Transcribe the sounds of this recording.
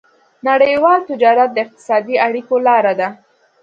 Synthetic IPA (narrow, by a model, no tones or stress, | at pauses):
naɽəjwɑlt̪ɪd͡ʒɑɾat̪̚d̪əɪq̚t̪ɪ̥sɑd̪iaɽikolɑɾad̪a